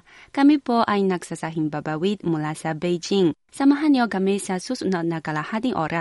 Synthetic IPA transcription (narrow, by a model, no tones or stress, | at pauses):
kamipɔʔajnak̚sasaɦimbabawit̪̚mulasabejd͡ʒiŋ | samaɦanjɔɡamesasusunaʔ̚nakalahad̪iŋʔɔ̰ɾa